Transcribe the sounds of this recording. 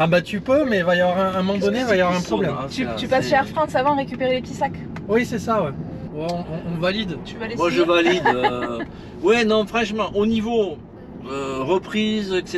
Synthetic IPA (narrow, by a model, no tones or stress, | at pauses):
abat̪ypømɛvajavwaʁɛ̃ɛ̃mɔmɑ̃d̪ɔnevajavwaʁɛ̃pχɔblɛmt̪yt̪ypasʃeɛʁfχɑ̃savɑ̃ʁekʲypeʁelekt̪isak | wisɛsawɛ | wɛɔ̃ɔ̃ɔ̃valid̪t̪yvlemwaʒəvalid̪ | wɛnɔ̃fχɑ̃ʃmɑ̃ʔonivo | øʁəpχizɛkse